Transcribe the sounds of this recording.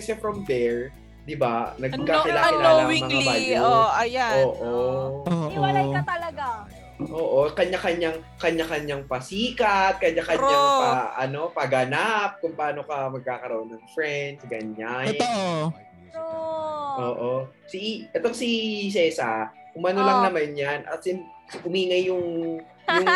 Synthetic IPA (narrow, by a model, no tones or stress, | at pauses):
kɐsɛfɾɐmd̪ɛɹ | d̪ɪbanɐɡkakɪlaːkɪnaːoɐwimɐŋɐbaːjoɐjaoːʔooːt̪ɐlɐɡa | ʔoːʔokɐɲːakɐɲːaŋkɐɲakɐɲːaŋpɐsiːkɐt̪̚kɐɲakɐɲːaŋɐʔɐ̰no̞pɐɡɐnap̚kʊŋpɐaːnokɐmɐɡ̚kaːkɐɾoʔonːɐŋfɹɛnd̪̚ɡɐɲa | ʔoːʔo | siʔɛt̪oŋsisɛsɐ | ʔʊmɐnolɐŋnɐmanjanʔɐ̰t̪sɪnʔʊmiːŋɐjːʊŋ | jʊ